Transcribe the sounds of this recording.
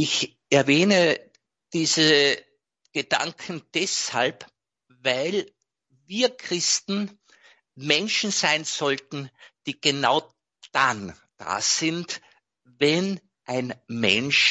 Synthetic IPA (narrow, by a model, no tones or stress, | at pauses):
ɪç | ʔɛɐvɛːnə | d̥iːzə | ɡ̥əd̥a̰ŋkʰn̩d̥ɛsha̰lp | vaɪl | viːɐkʁ̥ɪstn̩ | mɛnʃn̩zaɪnz̥ɔltn̩d̥iːɡ̥ənaʊ | d̥an | d̥a̰ːz̥ɪnt | vɛn | ʔæɪnmɛ̰nʃ